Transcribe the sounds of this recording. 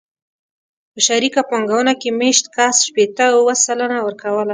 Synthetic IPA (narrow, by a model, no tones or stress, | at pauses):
pəʃaɾikapaŋɡawənakemeʃt̪kasʃpet̪əwwəsalənawəɾkawəla